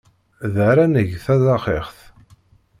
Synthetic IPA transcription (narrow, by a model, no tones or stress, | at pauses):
ðəɾænəʝθæðɑχeχθ